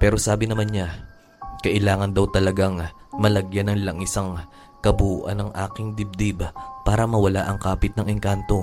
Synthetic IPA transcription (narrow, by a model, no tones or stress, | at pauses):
pɛːɾo̞saːbɪnɐmanɲa | kɐʔɪlaːŋɐnd̪ɐwt̪ɐlɐɡaŋmɐlɐɡjanɐŋlɐŋɪsɐŋ | kɐbuːʔɐ̰nɐŋʔaːkɪŋd̪ɪb̚d̪ibpaːɾɐmɐwɐlaʔɐŋkaːpɪt̪̚nɐŋʔɪŋkant̪o̞